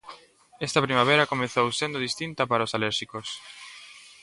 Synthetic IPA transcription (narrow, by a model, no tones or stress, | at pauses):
ɛst̪ɐpɾimaβ̞eɾɐkomeθowsend̪oðist̪int̪ɐpaɾɐosalɛɾʃikos